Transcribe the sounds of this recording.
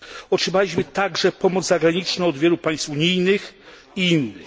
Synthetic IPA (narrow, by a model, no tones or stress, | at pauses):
ɔtʂɘmalʲiɕmɘt̪aɡʐɛpɔmɔd̪zzaɡɾaɲit͡ʂnɔ̃ɔd̪vʲjɛlupaj̃st̪fuɲijnɘx | iinːɘx